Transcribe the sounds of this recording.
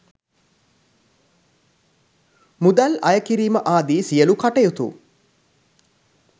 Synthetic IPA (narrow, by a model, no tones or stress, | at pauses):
mud̪ælɐ̰jəkiɾiːməʔaːd̪iːsijəlukaʈɐjut̪ṵ